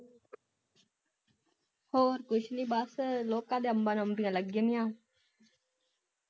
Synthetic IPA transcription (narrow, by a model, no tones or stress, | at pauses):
hoːɾkʊʃniːɓaːsəloːkãːd̪eːəmbaːnəmbĩãːləɡjənijãː